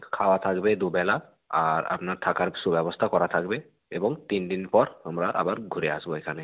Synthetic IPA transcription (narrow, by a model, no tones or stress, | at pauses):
kʰawat̪ʰakbɛd̪ubɛla | aɹa̰pnaɹt̪ʰakaɹsubɛbɔst̪ʰakɔɹat̪ʰakbɛ | ebɔŋt̪indinpɔɹamɹaʔa̰baɹɡʱuɾɛasbɔekʰanɛ